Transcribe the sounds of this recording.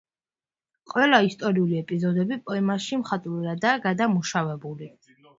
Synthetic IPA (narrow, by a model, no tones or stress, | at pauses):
qʼwɛlˠaist̪ʼɔɾiuliɛpʼizɔd̪ɛbipʼɔɛmaʃimχat̪ʼvuɾad̪aɡad̪amuʃavɛbuli